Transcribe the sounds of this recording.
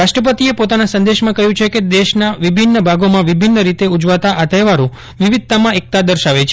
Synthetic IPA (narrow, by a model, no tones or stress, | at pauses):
ɾaʃʈɾəpət̪iepot̪anasə̃nd̪eʃmãkəɦjũt͡ʃʰeked̪eʃnaʋibʱinːəbʱaɡomãʋibʱinːəɾit̪eud͡ʒʋat̪aʔat̪eʋaɾũ | ʋiʋid̪̚t̪amãek̚t̪ad̪əɾʃaʋet͡ʃʰe